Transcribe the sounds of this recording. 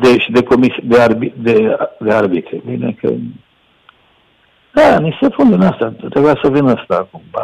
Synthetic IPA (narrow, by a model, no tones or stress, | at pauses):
d̪eʃid̪e̞ko̞misd̪earbid̪ed̪e̞arbit̪ɾebinḛkʰə̰ | d̪anise̞pund̪inast̪at̪ɾebujasəvinəst̪aːkumba